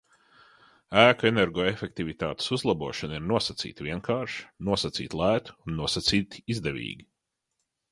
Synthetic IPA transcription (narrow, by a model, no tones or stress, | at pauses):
æːkɔeneɾɡɔːefʲek̚t̪ivʲit̪a̰ːt̪e̥suzlˠabuɔʃaniɾnuɔsɐt̪sḭːt̪viɛŋkʰaːɾʃnuɔsat̪sḭːt̪ʲlˠæːt̪u̥unːuɔsat̪siːt̪izd̪evʲḭːɡʲi